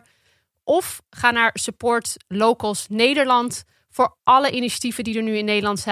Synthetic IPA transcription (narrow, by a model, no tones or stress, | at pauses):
ʔɔfχaːnaːɹsəpʊːɹtlowkəlˠsnejdəɹlɑnt | fʊːɹʔɑləʔiniʃḁtivədidəɹnyɪnːejdəlɑntsɛ